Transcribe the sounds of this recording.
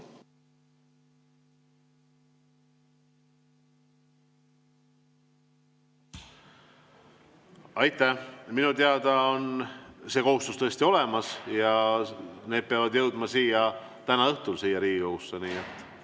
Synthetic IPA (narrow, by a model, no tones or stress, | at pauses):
ɑjt̪ːˑæminut̪eɑd̪ɑo̞nse̞ːko̞ɦust̪ust̪ɤesʲt̪io̞le̞mɑsjɑ | ne̞ːd̪̥̚peɑvɑd̪jɤwd̪mɑsiːjɑ | t̪ænɑɤht̪ulsiːjɑɾiːɡiohusːeniːet̪ːˑ